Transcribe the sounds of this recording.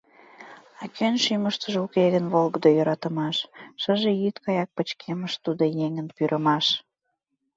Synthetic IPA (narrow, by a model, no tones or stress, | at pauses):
ɑkʰønʃyməʃt̪əʒukeɣənβolɣəd̪ojøɾɑt̪ə̆mɑʃːəʒejyt̪kɑjɑk̚pət͡ɕkʰeməʃt̪ud̪ojeŋənpyɾʔəmɑʃ